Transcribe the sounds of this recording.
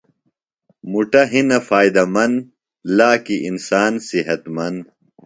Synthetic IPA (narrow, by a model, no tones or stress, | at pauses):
muʈɐɦinɐfaːjd̪ɐmɐn | laːkiʔinsaːnsiɦɐt̪mɐn